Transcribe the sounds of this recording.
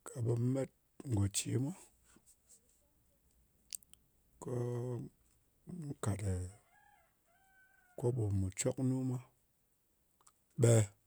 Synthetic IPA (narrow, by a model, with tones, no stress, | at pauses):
kʰa˨bə˧˦me˦t̚ | ŋ̩˨ɡo˨t͡ʃi˨˦mʷa˦ | ko˦ | n̩˦ka˨te˨ | ko˦ɓo˨mu˨t͡ʃo˦knu˦mʷa˦ | ɓe˧